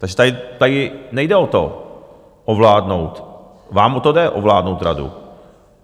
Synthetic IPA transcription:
t̪aɡʒɛt̪ajɪt̪ajɪnɛjdɛot̪o̰ | ʔovlaːdnowt̪ | vaːmot̪odɛʔo̰vlaːdnowt̪ɾa̰dṵ

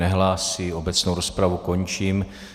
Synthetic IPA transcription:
nɛɦlaːsio̞bɛt͡snowɾo̞spɾavuko̞ɲt͡ʃiːm

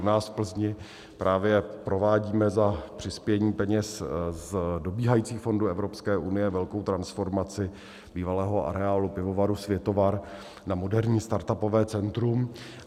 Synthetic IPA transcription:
naːsfpl̩zɲɪ | pɾʔaːvjɛpɾo̞vaːɟiːmɛzapr̥ɪspjɛɲiːpɛɲɛszdo̞biːɦajiːt͡siːxfo̞nduːɛvɾopskɛːʔunɪjɛvɛlko̞wt̪ɾansfo̞ɾmat͡sɪ | biːvalɛːɦo̞ʔa̰ɾɛaːlupɪvo̞vaɾusvjɛt̪ovaɾ | namo̞dɛɾɲiːst̪aɾt̪apo̞vɛːt͡sɛnt̪ɾum

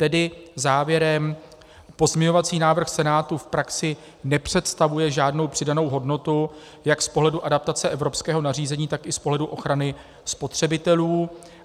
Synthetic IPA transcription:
t̪ɛdɪzaːvjɛɾɛm | po̞zmɲɪɲo̞vat͡siːnaːvr̩xsɛnaːt̪ufpɾaksɪ | nɛpr̥ɛt̪st̪avujɛʒaːdno̞wpr̥ɪdano̞wɦo̞dno̞t̪u | jakspo̞ɦlɛduʔadap̚t̪at͡sɛʔɛvɾo̞pskɛːɦo̞nariːzɛɲiːt̪akʔɪspo̞ɦlɛduʔo̞xɾanɪ | spo̞t̪r̝̥ɛbɪt̪ɛluː

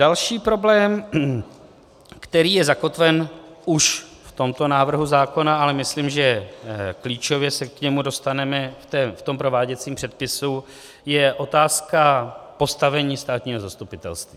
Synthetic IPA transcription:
d̥alʃiːpɾo̞blɛːm | kt̪ɛɾiːjɛzako̞t̪vɛnʔuʃft̪o̞mt̪o̞naːvr̩ɦuzaːko̞naalɛmɪsliːmʒɛkliːt͡ʃo̞vjɛsɛkɲɛmudo̞st̪anɛmɛft̪ɛːft̪o̞mpɾo̞vaːɟɛt͡siːmpr̥ɛt̪̚pɪsu | jɛʔo̞t̪aːskapo̞st̪avɛɲiːst̪aːt̪ɲiːɦo̞zast̪upɪt̪ɛ̰lst̪viː

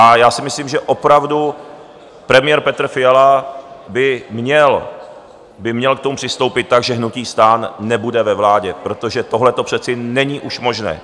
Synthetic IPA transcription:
ʔajaːsɪmɪsliːmʒɛʔo̞pɾavdu | pɾɛmɪjɛɾpɛt̪r̩fɪjalabɪmɲɛl | bɪmɲɛlkt̪omupr̥ɪst̪o̞wpɪt̪̚ːaɡʒɛɦnuciːst̪aːnːɛbudɛvɛvlaːɟɛpɾo̞t̪o̞ʒɛt̪o̞ɦlɛt̪opr̥ɛt͡sɪnɛɲiːʔuʃmo̞ʒnɛ̰ː

